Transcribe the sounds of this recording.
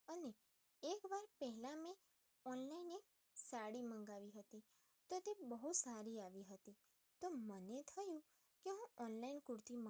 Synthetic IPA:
əneː | kʋaɾpɛɦɛlãmẽ | ɔnlainek | saɽimə̃ŋɡaʋiɦət̪i | t̪ot̪ebəɦusaɾiaʋiɦət̪i | t̪omənet̪ʰəjũ | keɦũʔɔnlainkuɾt̪imə

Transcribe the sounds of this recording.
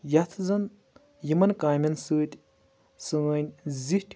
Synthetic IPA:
jat̪ʰzɐn | jimɐnkaːmʲɐnsɨːt̪ʲ | sɨŋɐnʲzihʈʰʲ

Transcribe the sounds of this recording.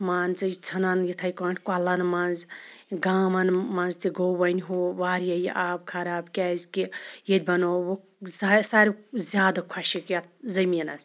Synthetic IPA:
maːnt͡sɐjt͡sʰɐnanjit̪ʰɐjkaːʈʰʲkalɐnmanz | ɡaːmɐnmɐnzt̪iɡobɐnʲɦuʋaːɾjɐjiʔaːbkʰɐɾaːbkʲaːzkijed̪̚ʲbɐnowo | sasaːɾʲizʲjaːd̪ɐkʰɐʃikjat̪̚ʰzɐminɐz

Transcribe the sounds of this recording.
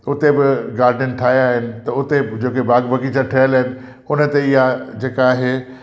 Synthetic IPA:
ʊt̪ebɪɡaːɾɖənʈʰaːɦiaːɦɪnɪ̆t̪ɐʊt̪ed͡ʑeːkebaːɡbʱɐkit͡ɕʰaʈʰɐɦəlaːɦɪnɪ̆ | ʊnə̆t̪eɪɦad͡ʑeːkaːɦeː

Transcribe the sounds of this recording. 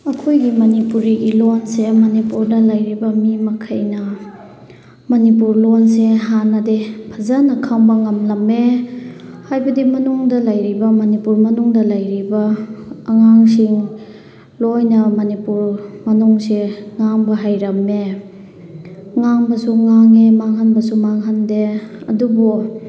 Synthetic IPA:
ɐkʰojɡimɐnipuɾiɡilonsemɐnipuɾdɐlɐjɾibɐmimɐkʰɐjnɐ | mɐnip̬uɾlɔnseɦanɐdepʰɐzanːɐkʰaŋbɐŋɐmlɐmːe | hajbɐdimɐnuŋdɐlɐjɾibɐmɐnipuɾmɐnuŋdɐlɐjɾibɐː | ŋaŋsiŋ | lojnɐmɐnipuɾmɐnuŋseŋaŋbɐɦajɾɐmːe | ŋaŋbɐsuŋaŋemaŋhanbɐsumaŋɦandeɐ̰dubu

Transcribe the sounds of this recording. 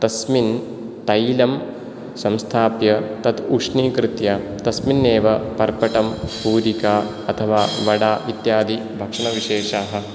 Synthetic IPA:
t̪ɐsmin | t̪ɐjlɐm | sɐ̃mst̪ʰaːpjɐt̪ɐt̪ukʂɳiːkɾɪt̪jaːt̪ɐsminːeːʋɐpɐɾpɐʈɐmpuːɾikaː | ɐt̪ʰɐʋaːʋɐɽaːʋit̪jaːd̪ibʱɐkʂɐɳɐʋiʃeːʂaːɦɐ̆

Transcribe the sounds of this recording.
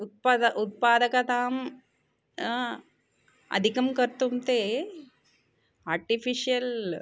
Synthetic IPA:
ut̪̚pɐʔut̪̚paːd̪ɐkɐt̪aːm | ɐ̰d̪ʱikɐmkɐɾt̪ːumt̪eː | aːɾʈifiʂijɐl

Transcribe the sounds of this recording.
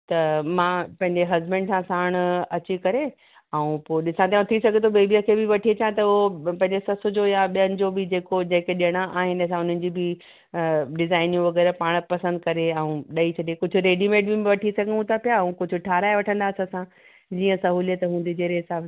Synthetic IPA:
t̪ɐmãpɐ̃ɦɪ̃ɲd͡ʑeɦɐzbɛ̃ɳɖsãsaːɽ̃ɐt͡ɕikɐɾe | ɐũpoːɗɪsãt̪ajõt̪ʰisɐɡʱet̪ʰobeːbijəkʰebɪʋɐʈʰiet͡ɕãt̪ɐʊɦopɐ̃ɦɪ̃ɲd͡ʑesɐsʊd͡ʑojaɓijənɪ̆d͡ʑoːbɪd͡ʑeːkod͡ʑɐ̃ɦɪ̃keɗɪəɽ̃aʔaːɦɪnɪɐs̬ãʊn̤ənɪ̆d͡ʑibɪ | ɖɪzaːɪnijũʋɐɡɛːɾpaːɽ̃pɐsə̃nd̪̚kɐɾeɐũɗɐit͡ɕʰɐɗekʊd͡ʑʱʊ̆ɾeːɖimẽːʈ̚bɪm̃ʋɐʈʰisɐɡʱə̃ũt̪apijaũkʊd͡ʑʱʊ̆ʈʰaːɾaːeʋɐʈʰə̃nd̪aːsəsã | d͡ʑiːə̃sɐɦuːlijət̪ɦũːnd̪id͡ʑeːɾeːsaː

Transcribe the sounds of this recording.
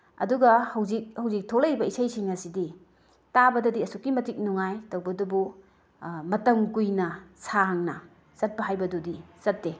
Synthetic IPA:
ɐ̰duɡɐhɐwzik̚hɐwzik̚tʰolɐjɾibɐisɐjsiŋɐsidi | tabɐdɐdiɐsukːimɐtik̚nuŋajtɐwbɐdubu | mɐtɐmkujnɐsaŋnɐ | zɐt̚pɐɦajbɐdudizɐtːe

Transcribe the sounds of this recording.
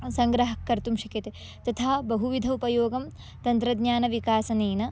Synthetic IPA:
sɐŋɡɾɐɦɐkːɐɾt̪umʃɐkjɐt̪e | t̪ɐt̪ʰaːbɐɦuʋid̪ʱɐupɐjoːɡɐm | t̪ɐnt̪ɾɐd̪ɲaːnɐʋikaːsɐneːnɐ

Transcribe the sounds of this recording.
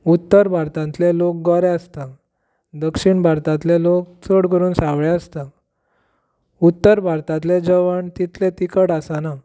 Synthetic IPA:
ut̪ːəɾbʱaɾt̪ãnt̪lelok̚ɡəɾeəst̪a | d̪əkʂiɳbʱaɾt̪ãt̪lelok̚t͡soɽkəɾuːnsaʋɭeəst̪a | ut̪ːəɾbʱaɾt̪ãt̪led͡zəʋəɳt̪it̪let̪ikəɽasana

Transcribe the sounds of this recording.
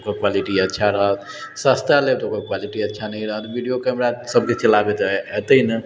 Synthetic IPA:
kokwaliʈiətːʃʰaɾəɦət̪ | səst̪alet̪okokwaliʈiətːʃʰanəiɾəɦət̪bʱiɖijokəmɾasəb̚ket͡ʃəlabet̪et̪əinə

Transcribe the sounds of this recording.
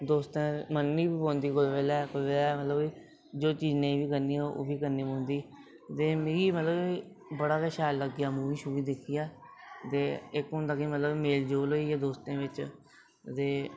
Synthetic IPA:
d̪oːst̪ẽːmənːiːbiːpõːnd̪iːkolʋɛːlaːkolʋeːlaːmət̪ləbiː | d͡ʒoːt͡ʃiːznẽːĩːʋiːkəɾniːoʔo̰ːbiːkəɾniːpõːnd̪iː | t̪eːmeːɾiːmət̪ləbiː | bəɽaːkəʃaːlːəɡɪjaːmũːiːʃuːʋiːd̪ekʰijaːt̪eːɪkɦʊ̃ːnd̪aːkimət̪ləbmeːld͡ʒoːloːiaːd̪oːst̪ẽːʋɪt͡ʃ | t̪eː

